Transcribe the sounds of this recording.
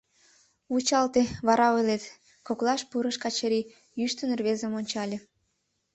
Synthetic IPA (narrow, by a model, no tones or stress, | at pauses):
ut͡ɕɑlt̪eβɑɾɑojlet̪ | koklˠɑʃpuɾəʃkɑt͡ɕəɾi | jyʃt̪ənerβezəmonʲt͡ɕɑlʲe